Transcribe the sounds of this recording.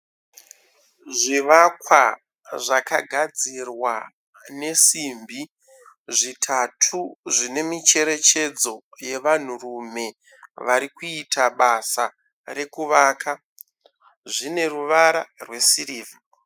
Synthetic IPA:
ʐiʋakwa | ʐakaɡʱad͡zirwa | ne̞simbʱi | ʐitʰatʰuʐine̞mit͡ʃe̞ɾe̞t͡ʃe̞d͡zo̞je̞ʋan̤urume̞ | ʋaɾikuitaɓasa | ɾe̞kuʋaːkʰa | ʐine̞ruʋaɾarwe̞siɾiːva

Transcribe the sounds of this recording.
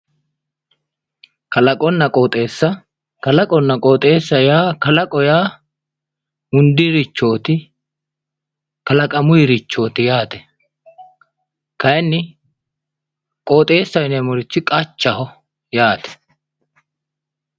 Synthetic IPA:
kɐlɐkʼɔnːɐkʼoːt̪ʼe̞ːsːɐ | kɐlɐkʼɔnːɐkʼoːt̪ʼe̞ːsːɐjaːkɐlɐkʼɔjaː | ʊnd̪ɪɾɪt͡ʃːo̞ːt̪ɪ | kɐlɐkʼɐmʊjɪɾɪt͡ʃːo̞ːt̪ɪjaːt̪ɛ̥ | kɐjɪnːɪ | kʼoːt̪ʼe̞ːsːɐjnɛmɔɾɪt͡ʃːɪkʼɐt͡ʃːɐhɔ | jaːt̪ɛ̥

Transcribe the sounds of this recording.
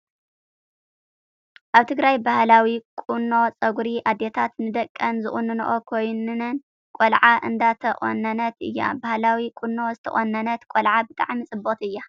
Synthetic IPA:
ʔaβt̪ʰɨɡɾajbahlawikʼunːo̞t͡sʼɐɡuɾiʔad̪ːet̪ʰat̪nɨd̪ɐkʼːɐnzɨχʼunːɨnṵʔokʰojnɨnɨn | kʷʼolʕaʔɨ̰nd̪at̪ʰɐχʼo̰nːɐnɐt̪ɨ̰jːa̰bahlawikʷʼunːo̞zɨt̪ʰɐ̰χʼonːɐnɐt̪kʼolʕabɨt̪ʼa̰ʕmisʼɨbːot̪ɨjːa

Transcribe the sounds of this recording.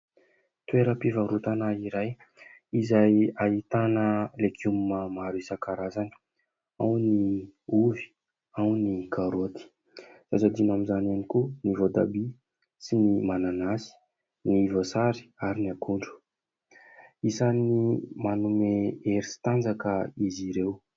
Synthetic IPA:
t̪weɾəpivaɾut̪anaiɾaj | izajait̪anəlekʰummamaɾisakaɾazani̥ | awniuvi̥ | awnikʰaɾot̪i̥ | z̥azad̪inamizananikunivod̪a̰bi | sinimananasi̥ | nivosaɾi̥aɾiniakuɳɖ͡ʐu̥ | isanimanumeeɾisi̥t̪and͡zakəiziɾew

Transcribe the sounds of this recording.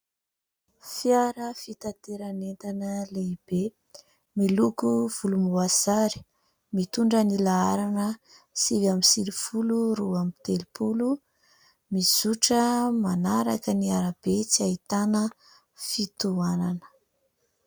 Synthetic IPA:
fjaɾəfit̪at̪eɾanent̪anəleib̥e | milukuv̥ulumuazaɾi̥ | mit̪uɳɖ͡ʐənilaaɾanə | sivamisiɾifuluɾuamit̪elipʰulu | mizuʈ͡ʂəmanaɾakəniaɾab̥et͡siait̪anə | fit̪uananə̥

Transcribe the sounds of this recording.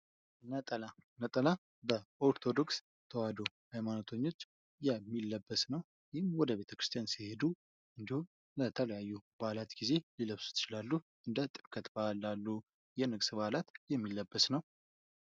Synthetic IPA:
nət̪ʼəlanət̪ʼəla | bəʔo̞ɾt̪ʰo̞d̪o̞ks | t̪ʰəwad̪o̞ | hajmanot̪ʰəɲːo̞t͡ʃː | jɛmːilːəbːəsnəw | jɪhɪmwɔd̪əβe̞t̪ʰəkɾɨst̪ʰijansihe̞d̪u | ʔɨnd̪ihum | lət̪ʰələjajːubalat̪ɡize̞liləβsu̥t̪ʰɨ̥t͡ʃɪlalːuʔɨnd̪ət̪ʼɨɾkʰʼət̪balːalːu | jɛnɨɡsɨbalat̪jɛmːilːəbːəsnəw

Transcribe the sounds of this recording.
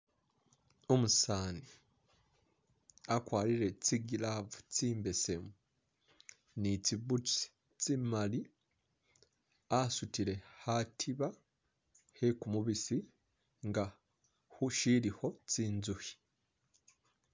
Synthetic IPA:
omusaːni | akwaːliɾe̞t͡siɡilavut͡siːmbe̞semu | niciβut͡ʃi̥ | t͡simali | asutiɾe̞hatʰiβa | hekumuβisi | ŋɡa | huʃiɾiho̞t͡siːnzuhi̥

